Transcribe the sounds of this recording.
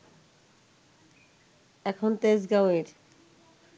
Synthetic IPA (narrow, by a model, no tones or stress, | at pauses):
ɛkʰont̪esɡaweɾ